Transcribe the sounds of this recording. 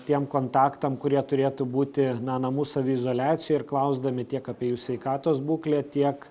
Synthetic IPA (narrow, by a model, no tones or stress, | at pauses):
t̪ʲiɛmkoːnt̪ɑːkt̪ɐmkʊɾʲiɛt̪ʊɾʲeːt̪ʊbuːt̪ʲɪnɐnɐmuːsɐʋʲʊɪzoːlʲæːt̪sʲɪjɛɪɾklˠɐʊzd̪ɐmʲɪt̪ʲiɛkɐːpʲiɛjuːsʲʋʲɛɪkɑːt̪oːsbuːklʲeːt̪ʲiɛk